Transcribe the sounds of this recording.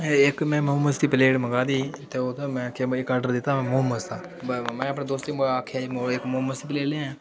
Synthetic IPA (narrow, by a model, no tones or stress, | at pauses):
ɪkmɛ̃ːmoːməst̪iːpəleːɖməɡaːd̪iːt̪eːot̪omɛ̃ːkʰeɪkaːɾɖəɾd̪ɪt̪ːaːmɛ̃ːmoːməst̪aː | bmɛ̃ːəpnẽːd̪oːst̪iːməakʰemoekmoːməst̪iːpleːɽẽːãː